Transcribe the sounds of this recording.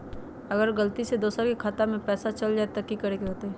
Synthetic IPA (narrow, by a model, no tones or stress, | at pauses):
ɐɡəɾɡəlt̪ised̪oːsɾkekʰaːt̪amẽpɛːsat͡ʃɐld͡ʒaːet̪ɐkːikɐɾekeɦoːt̪eɦɛ